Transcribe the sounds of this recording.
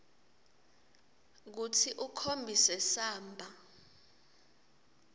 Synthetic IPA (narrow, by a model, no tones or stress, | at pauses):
k̬utʰiʔukʰombʱisɛsaːmbʱa